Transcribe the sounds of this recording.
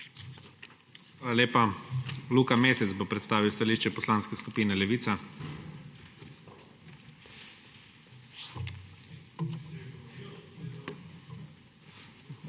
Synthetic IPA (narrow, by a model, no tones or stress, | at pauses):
aːlalʲeːpaluːkameːsɛt̪bopɾɛt̪st̪aːʋiwst̪aliːʃt͡ʃɛpɔslaːnskɛskupiːnɛlɛʋiːt̪sa